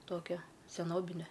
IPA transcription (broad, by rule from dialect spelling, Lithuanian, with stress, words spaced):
ˈtoːkʲɛ sʲɛˈnoːbʲɪnʲɛ